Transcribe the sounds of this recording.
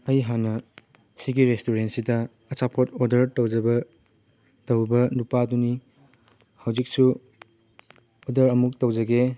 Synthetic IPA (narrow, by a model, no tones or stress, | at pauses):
ɐjɦanɐ | siɡiɾestoɾentsidɐː | t͡ʃapʰotodɐɾtɐwd͡ʒɐbɐ | tɐwbɐnupaduni | hɐwd͡ʒik̚su | odɐɾɐmuk̚tɐwd͡ʒɐɡe